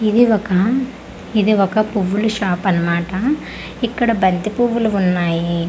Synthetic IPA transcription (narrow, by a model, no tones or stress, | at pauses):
id̪iɔkɐ | id̪iɔkɐpuʋːuluʃaːpɐnɐmaːʈɐ | ikːɐɽɐbɐnt̪ipuʋːuluunːaːji